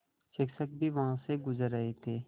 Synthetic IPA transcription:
ʃɪksək̚bʱiʋɐɦãseɡʊzəɾəɦet̪ʰeː

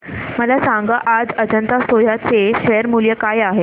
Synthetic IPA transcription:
məlasãŋɡəʔad͡zəd͡ʑənt̪asojat͡seɕɛjəɾmuljəkajaɦe

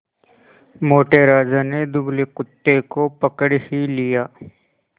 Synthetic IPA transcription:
moːʈeɾaːd͡ʒaned̪ʊbleqʊt̪ːekopɐkəɽhilijaː

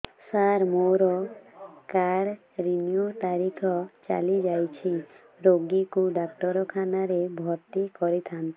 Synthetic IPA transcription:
saɾmoɾɔ | kaɽ | ɾiniot̪aɾikʰɔt͡ʃa̰lid͡ʒajt͡ʃʰi | ɾoɡikuɖak̚ʈɔɾɔkʰanaɾebʱɔɾt̪ikɔɾit̪ʰant̪i

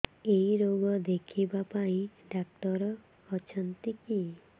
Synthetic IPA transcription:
eiɾoɡɔd̪ekʰibapaĩɖak̚t̪ɔɾɔː | t͡ʃʰɔnt̪iki

